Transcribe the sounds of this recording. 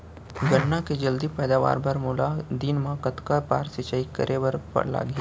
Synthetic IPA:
ɡɐʈnaked͡ʒɐld̪ipɛːd̪aːʋa̰ːɾbʱɐɾmʊlad̪inmãkɐt̪kaɾpaːɾsɪt͡ʃaːikə̰ɾʔeʋɐɾpɐ̰ɽla̰ːɡɛː

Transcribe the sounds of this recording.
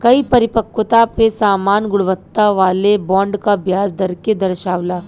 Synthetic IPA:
kɐipɐɾɪpəkʋət̪apesaːmaːnɡʊɽʋət̪ːaʋaːlebɔ̃ːɳɖkabʱjaːsd̪ɐɾked̪ɐɾʃaːʋlaː

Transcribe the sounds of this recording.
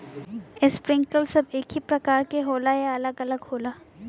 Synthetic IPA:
ɪspɾɪ̃ŋɡkəlsɐbeːkɦipɾɐkaːɾkeɦoːlaeɐləɡɐləɡhoːlaː

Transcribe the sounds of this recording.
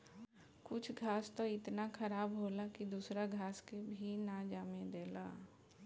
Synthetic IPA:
kʊt͡ʃʰɡʱaːst̪oɪt̪nakʰəɾaːbɦoːlakid̪uːsɾaɡʱaːskebʱinad͡ʒaːmed̪eːla̰ː

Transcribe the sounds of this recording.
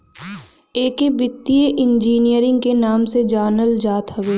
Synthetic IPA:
eːkebɪt̪ːieʔɪ̃nd͡ʒiːnijəɾɪ̃ŋɡkenaːmsed͡ʒaːnəld͡ʒaːt̪ɦɐʋeː

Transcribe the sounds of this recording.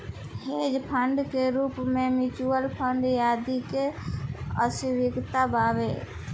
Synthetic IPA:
hed͡ʒpʰəɳɖkeɾupmemit͡ʃuəlpʰəɳɖjaːd̪ike | əsiʋɪkt̪abaʋe

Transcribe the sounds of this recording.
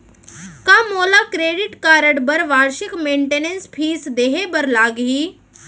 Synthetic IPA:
kãːmoːlakɾeːɖɪʈkaːɾəɽbəɾʋaːɾʃɪkmẽːɳʈeːnenspʰiːsd̪eːɦebəɾlaːɡɦiː

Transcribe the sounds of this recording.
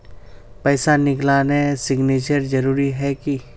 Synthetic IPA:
pɛːsanɪklaːnesɪɡneːt͡ʃəɾd͡ʒɐɾuːɾiɦɛki

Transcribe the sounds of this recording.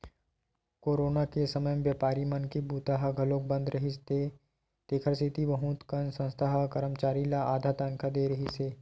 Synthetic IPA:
koːɾoːnakesɐməjəmʋjaːpaːɾimɐnkibuːt̪aɦaɡʱɐloːk̚bə̃nd̪ɾɐɦist̪e | t̪eːkʰəɾsit̪iʋɐɦũt̪kənsə̃nst̪ʰaɦkɐɾəmt͡ʃaːɾilaaːd̪ʱaːt̪ankad̪eːɾɐɦiseː

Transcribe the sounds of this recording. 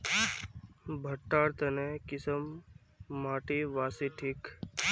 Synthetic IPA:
bʱɐʈːaːɾt̪ɐnekɪsəmː | aːʈiʋaːsiʈʰiːk

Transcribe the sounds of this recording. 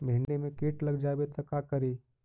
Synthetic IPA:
bʱẽɳɖemẽkeːʈlɐɡd͡ʒabet̪ʰɐkakəɾiː

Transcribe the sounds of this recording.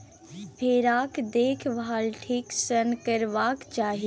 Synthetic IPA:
pʰeːɾaːkd̪eːkʰʋʱaːlʈʰiksənkəɾʋaːkt͡ʃaːɦi

